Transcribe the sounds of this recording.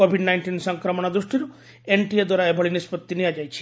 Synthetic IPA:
obʱiɖnajɳʈinsɔŋkɾɔmɔɽ̃ad̪ɾusʈiɾu | eɳʈied̪wɔɾaebʱɔɭinispɔt̪ːinijad͡ʒajt͡ʃʰi̥

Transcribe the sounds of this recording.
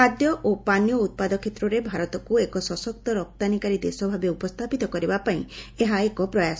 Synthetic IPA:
ad̪jɔʔopanjɔut̪̚pad̪ɔkʰːet̪ɾɔɾebʱaɾɔt̪ɔkuekɔsɔsɔk̚t̪ɔɾɔk̚t̪anikaɾid̪esɔbʱabeupɔst̪ʰapit̪ɔkɔɾibapaĩeɦaekɔpɾɔjas

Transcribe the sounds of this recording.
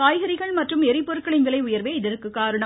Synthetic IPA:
kaːjɣɐɾɪɣɐɭmɐʈrɯmɛɾɪpːɔɾɯkːɐɭɪnʋɪlɐɪʊjɐɾʋeːɪðɪɾɯkːɯkːaːɾɯɳɐ

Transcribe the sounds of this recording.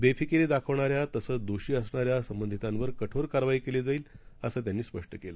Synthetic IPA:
befʰikeɾed̪akʰəʋɳaɾjat̪əsəːt͡sd̪oɕiːəsɳaɾjasəmbənd̪ʱit̪ãnʋəɾkəʈʰoɾkaɾʋaiːkeled͡zaiːləsəːt̪janːiːspəʂʈəkela

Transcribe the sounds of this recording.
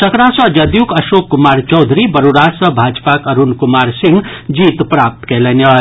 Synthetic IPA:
səkɾãsə̃d͡ʒɐd̪jukɐʃoːkːumaːɾt͡ʃɔwd̪ʱɾibɐɾuɾasə̃bʱaːd͡ʒpakəɾunkumaːɾsiŋɡ | d͡ʒiːt̪pɾap̚t̪kelenə

